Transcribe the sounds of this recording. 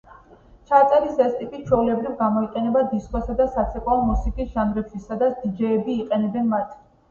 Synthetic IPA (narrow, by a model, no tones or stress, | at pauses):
t͡ʃʰat̪sʼɛɾisɛst̪ʼipʼit͡ʃʰwɛulɛbɾivɡamɔiqʼɛnɛbad̪iskʼɔsad̪asat̪sʰɛkʼalˠmusikʼisʒ̥and̪ɾɛpbʃisad̪at̪sʰd̪̥id͡ʒɛːbiːqʼɛnɛbɛnmat̪ʰ